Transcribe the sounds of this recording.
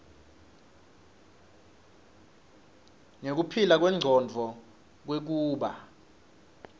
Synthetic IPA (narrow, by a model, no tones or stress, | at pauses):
ŋek̬upʰilak̬wɛŋ͡ǀʱɔnd͡vʱɔ | k̬wek̬uːɓa